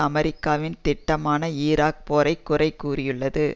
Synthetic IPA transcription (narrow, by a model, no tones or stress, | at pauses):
ɐmɛɾɪkːaːʋɪnt̪ɪʈːɐmaːnɐiːɾaːk̚pɔːɾɐɪkːʊrɐɪkːuːrɪjɯɭːɐðɯ